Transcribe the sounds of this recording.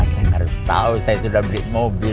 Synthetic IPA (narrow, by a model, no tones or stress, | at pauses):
at͡ʃanhaɾʊst̪a̰usajasudahbəɾiʔmobi